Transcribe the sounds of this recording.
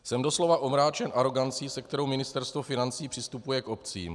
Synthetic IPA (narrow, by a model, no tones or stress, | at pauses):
sɛmdoslo̞vaʔo̞mɾaːt͡ʃɛnʔaɾo̞ɡant͡siːsɛk̚t̪ɛɾo̞wmɪnɪst̪ɛɾst̪vofɪnant͡siːpr̥ɪst̪upujɛko̞pt͡sḭːm